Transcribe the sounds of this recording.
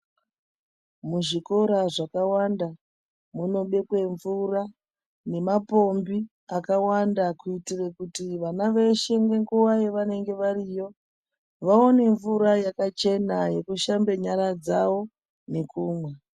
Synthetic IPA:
muʐiko̞ɾaʐakawanda | muno̞ɓe̞kwe̞ɱvura | ne̞mapo̞mbi | akawandakuitirekutiʋanaʋeʃe̞ŋɡe̞ŋɡuwajeʋane̞ŋɡe̞ʋarijo̞ | ʋaone̞ɱvuɾajakat͡ʃe̞naje̞kuʃambe̞ɲaɾad͡zawo̞ | nekuːmwe

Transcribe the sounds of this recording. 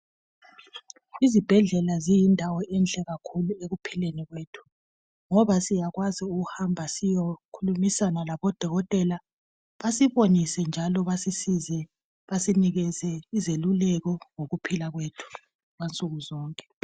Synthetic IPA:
izib̥ʱɛɮɛlazijindʱawɔʔɛnt͡ɬʼɛɣakʰulueɣupʰileniɣweːtʰu̥ | ŋɔβasijaɣwaziuɣuhambʱasijokʰulumisanalaβɔd̥ʱɔɣɔtʼɛla | βasiβonisɛnd͡ʒʱalɔβasisizɛ | βasiniɣɛzɛizelulɛɣɔŋoɣupʰilaɣwetʰu̥ | ɣwant͡sʼuɣuzɔːŋkʼɛ

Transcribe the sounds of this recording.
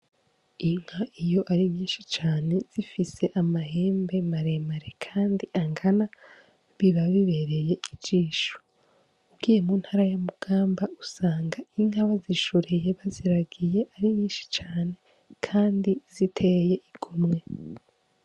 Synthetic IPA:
iŋ̥haʔijo̞ʔaɾiβjiːnʃit͡ʃaːne̞z̥ifise̞ʔamaɦe̞ːmbe̞maɾe̞maɾekʰaːndiʔaŋɡana | βiβaβiβe̞ɾe̞je̞iit͡ʃiːʃo̥ | ubɡiːje̞muːn̥haːɾajamuɡ̥aːmbausaːŋɡaiŋ̥haβaziʃuɾeje̞βaziɾaɡije̞ʔaɾiβjiːnʃi̥t͡ʃaːne̞ | kʰaːndiz̥itʰeje̞ʔiɡ̥umŋe̞

